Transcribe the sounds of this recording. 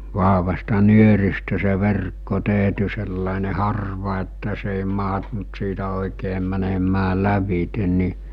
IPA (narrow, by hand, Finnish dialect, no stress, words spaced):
ʋɑɦʋɑstɑ nyøristæ se ʋerkːo teˑɦty selːɑˑene hɑrʋɑ etːæ se eˑi mɑɦtunt siːtæ oˑikeː mænemæː læʋite ni